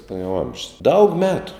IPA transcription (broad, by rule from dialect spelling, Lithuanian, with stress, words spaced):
nʊ jɛʊ ˈɐmʲʒʲʊs dɐʊk ˈmʲæːtʊ